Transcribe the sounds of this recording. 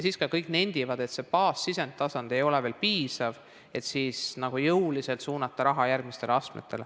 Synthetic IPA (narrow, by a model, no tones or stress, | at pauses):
jsiːskɑkɤjkne̞nʲd̪̥ivɑd̪e̞t̪se̞pɑːsːisen̚t̪ːɑsɑnd̪̥e̞jo̞leveːlpiːsɑv | e̞t̪siːsnɑɡ̥ujɤwlise̞lt̪suːnɑt̪ːɑɾɑɦɑjærɡ̥̚mist̪eleɑst̪mḛt̪ʰːˑe̞l